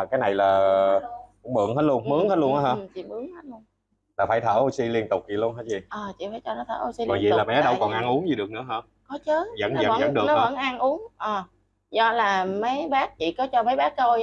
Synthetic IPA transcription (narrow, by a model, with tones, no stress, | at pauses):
kaː˨˦jna˨˩jlaː˨˩ | kʊ̰˧˥˦ŋ͡mmɨ̰˧˨əŋɦəː˨˦tlu˧ənmɨ˨˦əŋhəː˦˥lənʔaː˨˦həː˧n˩t͡ɕḭ˧˨mɨ˨˦əŋhəː˨˦lu˧ən | laː˨˩faː˧˩jt̪ʰəː˧˩ʔo˧si˧li˧ənt̪ʊ˨˩k͡p̚zi˨˩lu˧ənhəː˨˦jzi˨˩ʔəː˨˩t͡ɕḭ˧˨faː˧˩˦jt͡ɕɔ˧nɔ˨˦t̪ʰəː˧˩ʔo˧si˧kɔ˨˩nzi˨˩˨laː˨˩mɛ̰˨˦ɗə˧wkɔ˨˩nʔa˧nʔu˨˦əŋzi˨ɗɨ˨˩əknɨ˧˥əɦəː˧n | kɔ˨˦t͡ɕə˨˦˥zə̰˧˥n˦ə̰˧˩˧zə̰˧˦nɗɨ˨ənɔ˨˦˧ə˧˩nʔa˧nʔu˨˦əŋʔəː˨˩ | zɔ̰˧˨laː˨˩mə˨˦jɓaː˦˥k̚t͡ɕḭ˧˨kɔ˨˦t͡ɕɔ˧mə˨˦jɓaː˦˥k̚to˧j